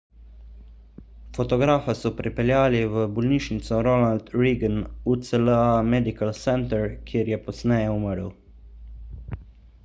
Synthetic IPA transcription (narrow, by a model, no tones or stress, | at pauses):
fɔt̪ɔɡɾaːfasɔpɾipɛljaːliʋəbɔlniːʃnit̪sɔɾonalt̪ɾiːɡənut̪sələamɛd̪ikalsɛnt̪əɾkʰiːɾjɛpɔsnɛjɛuməɾəw